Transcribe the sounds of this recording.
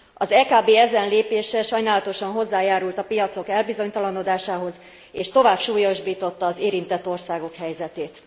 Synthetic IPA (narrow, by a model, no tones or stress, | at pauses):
ɒzɛːkaːbeːɛzɛnleːpeːʃɛʃɒjnaːlɒt̪o̞ʃɒnɦo̞zːaːjaːɾult̪ɒpijɒt̪so̞kɛlbizo̞ɲt̪ɒlɒno̞d̪aːʃaːɦo̞z | eːʃt̪o̞vaːbʃuːjo̞ʒbiːt̪o̞t̪ːɒːzeːɾint̪ɛt̪ːo̞rsaːɡo̞khɛjzɛt̪eːt̪